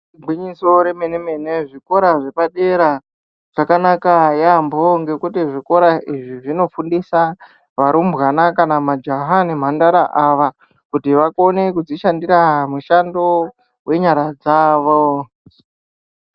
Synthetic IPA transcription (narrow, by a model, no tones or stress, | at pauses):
ɡʱwiɲiso̞ɾe̞meneme̞ne̞ʐiko̞ɾaʐepaɗe̞ɾa | ʐ̥akanakajamboŋɡe̞kutiʐiko̞ɾaʔiʐiʐino̞fundisa | ʋaɾumbɣanakanamad͡ʒaɦanem̤andaɾaʔaʋa | kutiʋakone̞kud͡ziʃandiɾamuʃando̞ | we̞ɲaɾad͡zaːʋo